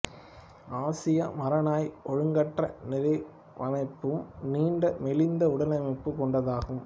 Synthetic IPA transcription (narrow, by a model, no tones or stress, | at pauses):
aːsɪjɐmɐɾɐnaːjʔɔɻɯŋɡɐʈrɐ̰nɪɾɐɪ | ʋʔɐ̰nɐɪpːɯmniːɳɖɐmɛlɪnd̪ɐʊɽɐlɐmɐɪpːɯkɔɳɖɐðaːɣɯm